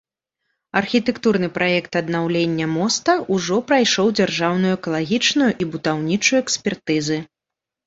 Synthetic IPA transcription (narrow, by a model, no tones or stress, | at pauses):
ɐrxʲit̪ɛkt̪urn̪ɨpɾʔajɛkt̪ɐd̪nawlʲenʲːɐmɔst̪ɐuʐɔpɾajʂɔwd͡zʲarʐawn̪ujuɛkɐlˠaɣʲit͡ʂnujuʔibud̪awnʲit͡ʂujuɛksʲpʲɛrt̪ɨzɨ